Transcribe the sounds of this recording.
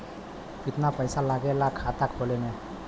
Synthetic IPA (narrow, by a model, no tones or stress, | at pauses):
pit̪napəjsalaɡɛlakʰat̪akbolene